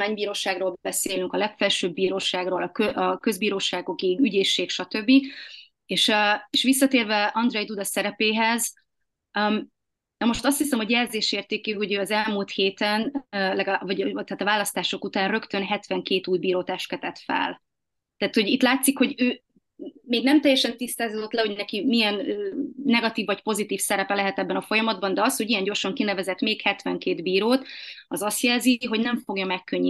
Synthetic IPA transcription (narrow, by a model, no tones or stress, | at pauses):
aːɲbiːɾoːʃaːɡroːlbɛbɛseːlyŋkɒlɛkfɛlʃøːbːiːɾoːʃaːɡroːlɒkøʔɒkø̞zbiːɾoːʃaːɡoɡiːɡyɟeːʃːeːkʃɒt̪ø̞bːi | eːʃøeʃʋis̬ːɒt̪eːrvɛɒnd̪rɛjd̪ud̪ɒsɛɾɛpeːɦɛz | nɒmoʃt̪ɒst̪hisɛmho̞ɟjɛrzeːʃeːrt̪eːkiho̞ɟøːɒzɛlmult̪heːt̪ɛnlɛɡɒvɒɟt̪aːt̪ɒvaːlɒst̪aːʃo̞kut̪aːnrø̞kt̪ø̞nɦɛt̪vɛŋkeːt̪uːjbiːɾoːt̪ɛʃtkɛt̪ɛt̪fɛ̰l | t̪ɛːt̪ho̞ɟit̪laːt̪sikho̞ɟøː | meːɡnɛmt̪ɛjːɛʃɛnt̪ist̪aːzod̪o̞t̪lɛɦo̞ɟnɛkimijɛnøːnɛɡɒt̪iːvːɒcpo̞zit̪iːfsɛɾɛpɛlɛɦɛt̪ɛbːɛnɒfo̞jɒmɒd̪̚bɒnd̪ɛɒst̪ho̞ɟijɛɲɟo̞rʃɒŋkinɛvɛzɛt̪meːkhɛt̪vɛŋkeːd̪biːɾoːt̪ɒzɒst̪jɛlziɦo̞ɟnɛɱfo̞ɡjɒmɛkːøɲːi